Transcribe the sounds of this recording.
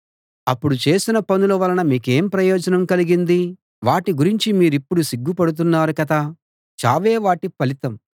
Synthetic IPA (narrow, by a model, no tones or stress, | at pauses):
ɐpːuɽut͡ʃe̞ːsinɐpɐnulɐʋɐlɐnɐmiːke̞ːmpɾɐjɔːd͡ʒɐnɐmkɐliɡind̪i | ʋaːʈiɡuɾiɲt͡ʃimiːɾipːuɽusiɡːupɐɽut̪̬unːaːɾukɐt̪a | t͡ʃaːʋeːʋaːʈipɐlit̪ɐm